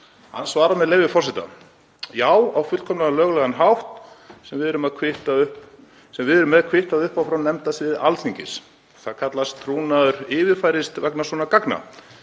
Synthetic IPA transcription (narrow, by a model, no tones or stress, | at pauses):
ha̰nːsvaːɾamɛðleːjvɪfɔrsɛt̪a̰ | jaːwawfʏt̪kʰɔmnaalœːɣʏlɛɣanɦawht̪sɛmvɪðɛɾʏmaðkʰvɪht̪aʏhp | sɛmvɪðɛɾʏmːɛðakʰvɪht̪aðʏhpawfɾawnɛmt̪asvɪðalθiɲcɪs | θaðkʰat̪lastt̪ʰɾuːnaðʏɾɪːvɪfajɾɪst̪vɛknasvɔnakakna̰